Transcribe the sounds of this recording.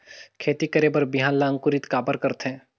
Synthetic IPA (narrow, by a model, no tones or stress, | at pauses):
kʰeːt̪ikəɾeːbəɾbiɦãːnlaə̃ŋkʊɾit̪kaːbəɾkəɾt̪ɦɛ̃ː